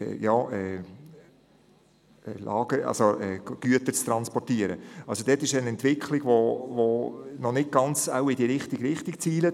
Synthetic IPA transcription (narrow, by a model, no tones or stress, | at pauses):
ɛ̰jɑːɛː | ɛlʔɑ̰ːɡ̥əʔɑ̰lsoʔɛːɡ̥yətət͡st̪ɾɑnspɔrtiəɾə̰ɑlsod̥̪ɛtːɪʃənɛnt̪ʋɪkʰχlɪɡ̥ʋovonɔnɪt̚ɡ̥ɑnt͡sa̰ʊɪd̥iɾɪχtiɡɾɪχtikt͡siːlə